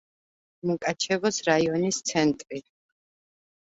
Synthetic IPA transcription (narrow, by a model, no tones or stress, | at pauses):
mukʼat͡ʃʰɛvɔsɾaiɔnist̪sʰɛnt̪ʼɾi